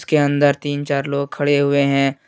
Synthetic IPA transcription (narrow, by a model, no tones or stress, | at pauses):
skeə̃nd̪əɾt̪iːnt͡ʃaːɾloːɡ̚kʰɐɽeɦʊeɦɛ̃ː